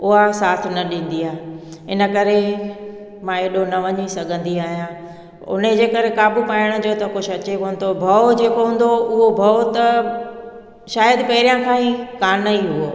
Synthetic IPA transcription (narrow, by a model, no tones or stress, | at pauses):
ʊɦasaːt̪ʰnɐɗĩːn̆d̪iaːɦɪnə̆kɐɾe | mãːeːɗonɐʋɐɲisɐɡʱə̃nd̪iaːɦijã | ʊ̰ned͡ʑeːkɐɾekaːbupaːɪɽ̃̆d͡ʑoːt̪ɐʊkʊʃɐt͡ɕekoːn̆t̪obʱɐod͡ʑeːkoɦũn̆d̪oʊɦobʱɐot̪ɐ | ʃaːjəd̪pɐɦɪɾijãkʰãːĩkaːnəiɦuo